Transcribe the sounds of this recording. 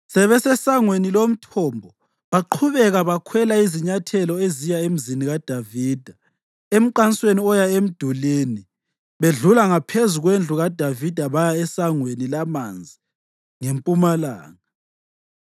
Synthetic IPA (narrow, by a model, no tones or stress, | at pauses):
sɛβɛsɛsaŋwenilom̩tʰɔmbʱɔ | βaǃʰuβɛɣaβakʰwɛlaiziɲatʰɛlɔezijaem̩ziniɣad̥ʱaviːd̥ʱa | em̩ǃansʼweniɔjaem̩d̥ʱuleːni | βeɮulaŋapʰezuɣwend͡ɮʱuɣad̥ʱavid̥ʱaβajaɛsaŋwenilamand͡zʱi | ŋempʼumala̰ːŋa